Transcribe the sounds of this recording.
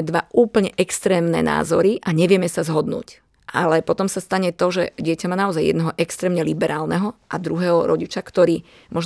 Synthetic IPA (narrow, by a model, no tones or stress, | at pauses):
ɛd̪ʋaʔuːpl̩ɲɛʔɛkst̪ɾɛːmnɛ̰na̰ːzɔɾiʔaɲɛʋɪɛmɛsazɦɔd̪nṵːc | ʔalɛpɔt̪ɔmsast̪aɲɛt̪ɔʒɛɟɪɛcamaːnaɔzajːɛ̰d̪nɛɦɔʔɛkst̪ɾɛːmɲɛlibɛɾaːlnɛɦɔʔad̪ɾuɦɛːɦɔɾɔɟit͡ʃakt̪ɔɾiː | mʔɔʒ